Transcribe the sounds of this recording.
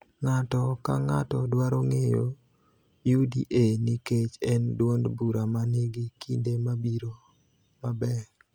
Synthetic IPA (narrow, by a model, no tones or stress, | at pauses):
ŋatɔkaŋatɔdwaɾoŋejo̰ | judḭʔeniket͡ʃɛndwondbuɾamaneɡikindemabiɾo | mabɛ